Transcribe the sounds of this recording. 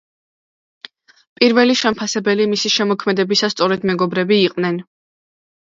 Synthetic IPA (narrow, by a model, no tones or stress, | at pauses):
pʼiɾvɛliʃɛmpʰasɛbɛlimisiʃɛmɔkʰmɛd̪ɛbisast̪sʼɔɾɛd̪mɛɡɔbɾɛbiːqʼnɛn